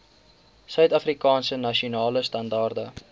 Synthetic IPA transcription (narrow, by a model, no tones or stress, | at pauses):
sœɥtɐfrikɑːnsənɐʃiunɑːləstɐndɑːrdə